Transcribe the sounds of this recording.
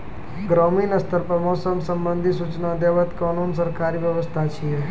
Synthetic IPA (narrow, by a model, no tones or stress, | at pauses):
ɡɾaminəst̪əɾpɾəmoːsəmsəmbənd̪ʱisut͡ʃnad̪eʋət̪kanunsəɾkaɾiʋjəʋəst̪ʰat͡ʃʰie